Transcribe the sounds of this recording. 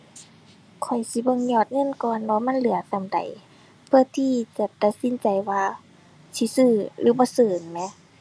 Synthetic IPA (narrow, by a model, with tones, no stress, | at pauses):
kʰɔ˨˩jsi˧˦bɤ˧˨ŋɲɔː˧˩t̪̚ŋɤ˧˥˨nkɔː˨nwaː˧ma˧˥˨nlɯ˨˦ɐ˦t̪a˧˨mda̰˨˩j | pʰɯ˧ɐ˨t̪ʰiː˧˩t͡ɕa˨˧˦t̪a˧t̪̚si˧˥˨nt͡ɕa˨jwaː˧ | si˧˦sɯː˧˩lʔɯː˨˦bɔː˧˦sɤː˨˩nmɛ˧˥